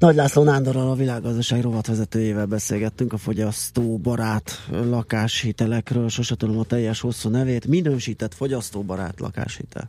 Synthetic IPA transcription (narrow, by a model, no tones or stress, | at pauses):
nɒɟlaːslonaːnd̪oɾɒlɒvilaːɡːɒzd̪ɒʃaːɡro̞vɒt̪ʋɛzɛt̪øːjeːvɛlbɛseːlɡɛt̪ːyŋkɒfo̞ɟɒst̪oːbɒɾaːt̪lɒkaːʃhit̪ɛlɛkrøːlʃoʃɛt̪ulomɒt̪ɛjːɛʃho̞sːuːnɛveːt̪minøːʃiːt̪ɛt̪fo̞ɟɒst̪oːbɒɾa̰ːt̪lɒ̰ka̰ːʃhḭt̪ʰɛ̰l